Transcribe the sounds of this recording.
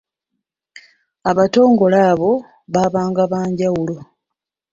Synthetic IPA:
aβato̞ːŋɡo̞laːβo̞ | βaːβaːŋɡaβaːɲɟawulo̞

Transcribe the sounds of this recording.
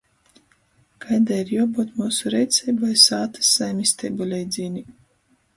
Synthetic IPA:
kajd̪aiɾjuɔbut̪muːsuɾɛjt̪sʲɛjbvajsaːt̪ɨ̥sːajmʲisʲt̪ʲɛjbulʲɛjd̪zʲiːnʲi

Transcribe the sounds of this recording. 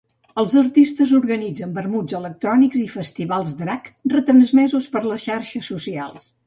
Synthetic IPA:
əlˠzəɾt̪ist̪əzuɾɣənid͡zəmbəɾmud͡zələk̚t̪ɾɔnikzifəst̪iβalˠzd̪ɾakrət̪ɾənzmɛzuspəɾləsʃaɾʃəsusia̰lˠs

